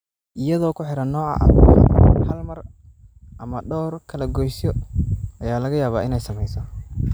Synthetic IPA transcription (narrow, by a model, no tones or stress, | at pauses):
ʔɪjɐðɔːkʰʊħɪɾɐnːɔːɐ̰ʔɐ̰ | hɐlmɐr | ʔɐmɐɖɔːrkʰɐlɐɡɔjsjɔʔɐjaːlɐɣɐjaːβaːʔɪnɛjsɐmɛjsɔ